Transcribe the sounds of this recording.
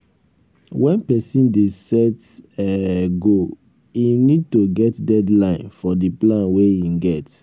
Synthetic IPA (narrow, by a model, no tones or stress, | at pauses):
wɛ̃npɛsĩndesɛt | ɛɡo | inid̚toɡɛtdɛdlãɪ̃nfɔdiplãnweĩɡɛt